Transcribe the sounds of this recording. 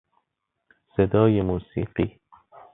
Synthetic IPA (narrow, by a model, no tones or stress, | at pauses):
sed̪ɒːjemuːsḭːɢiː